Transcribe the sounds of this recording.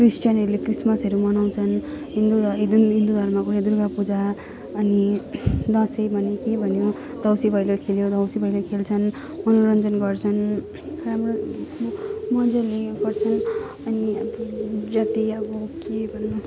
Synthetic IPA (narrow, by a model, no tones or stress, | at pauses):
krisʈjʌnʌɾulekrismʌsʌɾumʌnaw̃t͡sʰʌnɦind̪ued̪imɦind̪ud̪ʱʌrmakuɾad̪urɡapud͡za | ʌnid̪ʌ̃sʌjbʱʌnekebʱʌnjo | d̪ʌwsibʱʌjlokʰeljod̪ʱʌwsibʱʌjlokʰelt͡sʰʌn | mʌnoɾʌnd͡zʌnɡʌrt͡sʰʌn | ramro | mʌnd͡zʌleɡʌrt͡sʰʌn | ʌniʌbd͡zat̪iʌbʌkebʱʌnːʌ